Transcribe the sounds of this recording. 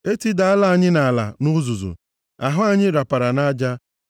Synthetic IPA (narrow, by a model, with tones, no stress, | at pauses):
e˦ti˦da˨a˦la˦˨ɲɪ˦na˨la̰˨nʊ˦zu˨zṵ˨ | a˨ɦʊ˦a˦ɲɪ˦ɾa˨pa˨ɾa˨na˦d͡ʒa˦